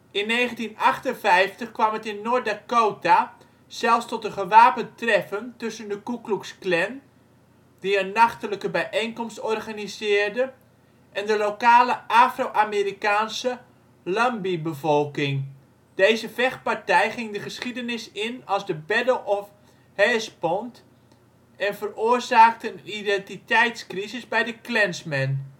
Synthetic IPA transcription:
ɪnːeːχəntinaχtənvɛjftəχkʋamətɪnːoːrdakoːta | sɛlˠfstɔtəχəʋaːpəntrɛfəntɵsəndəkukluksklɛn | diənːaχtələkəbɛjʔejnkɔmstɔrɣanizɪːrdə | ʔɛndəlokaːləʔaːfrowʔameːrikaːnsə | lɔmbibəvɔlˠkɪŋ | d̥eːzəvɛχpartɛjχɪŋdəχəsχidənɪsɪnɑlˠzdəbɛdəl̩ˠɔf | hɛːspɔnt | ɛnvəroːərzaːk̚təənidɛntitɛjtskrizɪsbɛjdəklɛnsmɛn

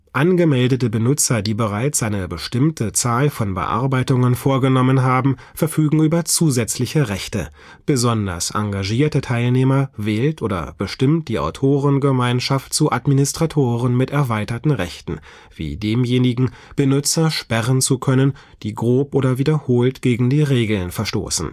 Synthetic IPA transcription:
ʔanɡəmɛldətəbənʊt͡sɐdiːbəʁaɪt͡sʔaɪnəbəʃtɪmtʰət͡saːlfɔnbə̰ʔa̰ɐbaɪtʊŋənfoːɐɡənɔmənɦaːbm̩ | fɛɐfyːɡŋ̩ʔyːbɐt͡suːzɛt͡slɪçəʁɛçtə | b̥əzɔndɐ̰sʔa̰ŋɡaʒiːɐtətʰaɪlneːmɐvɛːltʔoːdɐ̰b̥əʃtɪmt̚d̥iːa̰ʊtʰoːʁənɡəmaɪnʃaft̚t͡suʔatminɪstʁ̥atʰoːʁənmɪtɛɐvaɪtɐtn̩ʁɛçtn̩ | v̥ḭːdeːmjeːnɪɡŋ̩b̥ənʊt͡sɐʃpɛʁənt͡sukʰœnən | d̥iːɡʁoːpʔoːdɐviːdɐhoːltɡ̥eːɡŋ̩diːʁeːɡl̩nfɛɐʃto̰ːsn̩

